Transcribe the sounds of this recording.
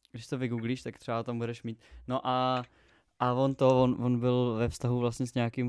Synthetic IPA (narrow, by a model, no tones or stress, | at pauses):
ɡdɪʃst̪ovɪɡuːɡliːʃt̪akt̪r̥ɛbat̪ambudɛʃmiːt̪noʔa | ʔavont̪ovonvonbɪlvɛfst̪aɦuvlastɲɛsɲaakim